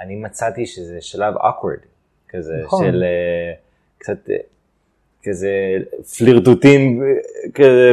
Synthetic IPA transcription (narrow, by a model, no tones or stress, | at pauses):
ʔanimat͡sat̪iʃezeʃalavo̰kwḛʁd̪ | kazeʃele | kt͡sat̪ | kazefliʁt̪utimkaze